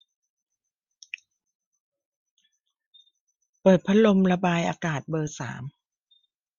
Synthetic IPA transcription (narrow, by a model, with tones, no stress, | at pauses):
pɤː˨˩t̪̚pʰa˦˥lo˧mla˧baː˧jʔaː˧kaː˨˩t̪̚bɤː˧sa̰ː˩˦m